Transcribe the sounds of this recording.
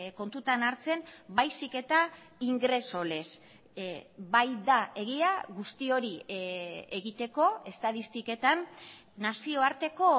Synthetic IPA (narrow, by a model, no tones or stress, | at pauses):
ko̞nt̪ut̪anaɾt͡se̞nbajsike̞t̪a | iŋɡɾe̞so̞le̞s | bajd̪ae̞ɣiaɣust̪io̞ɾi | e̞ɣit̪e̞ko̞e̞st̪aðist̪ike̞t̪an | nasio̞aɾt̪e̞ko̞